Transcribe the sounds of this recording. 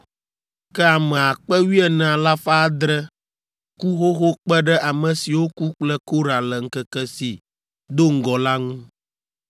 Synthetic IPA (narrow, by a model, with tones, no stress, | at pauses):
kɛ˦a˨mɛ̃˨a˨k͡pɛ˦wi˦ɛ˨nɛ̃˨a˨la˦fa˦a˦d̪ɾɛ˦ | ku˦xo˦xo˦k͡pɛ˦ɖɛ˦ʔa˨mɛ̃˨si˨wo˦ku˦k͡plɛ˦ko˦ɾa˨lɛ˨ŋ̩˦kɛ˦kɛ˦si˨ | d̪o˦ŋ̩˦ɡɔ˨la˦ŋũ˦